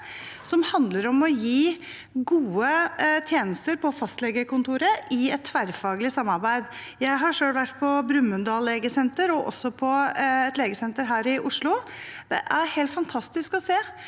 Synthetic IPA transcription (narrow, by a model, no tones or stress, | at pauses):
sɔmhɑnd̪ləɾɔmɔjiː | ɡuːət̪ʰjeːnəst̪əɾpʰɔfɑst̪lɛɡəkʊnt̪ʰuːɾəʔɪɛt̪ʰːʋæɾfɑːɡəlɪsɑmːɑɾbæɪd̪ | jæɪɦɑʂøːlʋæʈːpʰɔbɾʉmːʉnd̪ɑːlleːɡəsɛnt̪əɾɔʔɔ̰sːɔpʰɔɛt̪leːɡəsɛnt̪əɾɦæːɾɪʔʊʂlʊd̪̥ɛ̰ʔæɾheɪlt̪fɑnt̪ʰɑst̪ɪskɔseː